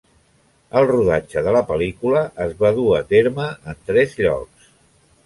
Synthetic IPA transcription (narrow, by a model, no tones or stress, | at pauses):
əlˠruðad͡ʒəðələpəlikuləʔəzβaðuət̪eɾməənt̪ɾɛzʎɔ̰ks